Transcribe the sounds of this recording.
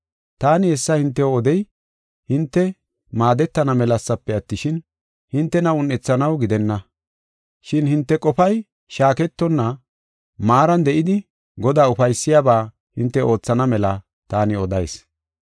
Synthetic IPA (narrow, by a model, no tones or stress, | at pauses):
t̪aːnɪɛsːɐhɪnt̪ːɛwɔd̪ɛj | hɪnt̪ːɛ | maːd̪ɛt̪ːɐnɐmɛlɐsːɐpːɛɐt̪ːɪʃɪn | hɪnt̪ːɛnɐʊnːɛt͡sːɐnɐwɡɪd̪ɛnːɐ | ʃɪnhɪnt̪ːɛkʼɔfɐj | ʃaːkɛt̪ːɔnːɐ | maːɾɐnd̪ɛʔɪd̪ɪ | ɡɔd̪aːʊfɐjsːɪjaːbaː | hɪnt̪ːɛʔo̞ːt͡sːɐnɐmɛlɐ | t̪aːnɪɔd̪ɐjs